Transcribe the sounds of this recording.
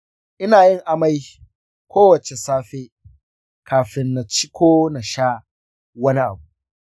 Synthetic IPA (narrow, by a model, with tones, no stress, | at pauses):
ʔɪ˦naː˨jɪ˦ŋʔa˨ma˦j | kʷʰoː˦wɐ˨t͡ʃe˨saː˦ɸeː˦ | kʰaː˨ɸɪ˦nːa˨t͡ʃɪ˦kʷoː˦na˨ʃaː˦ | wɐ˦ni˦ʔa̰˨bu˨ʔʔ